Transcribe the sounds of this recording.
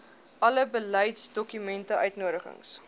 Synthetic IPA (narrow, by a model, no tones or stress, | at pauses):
ʔɐləbəlɛjtsdɔkymɛntəʔœɥtnuəɾəχə̰ŋs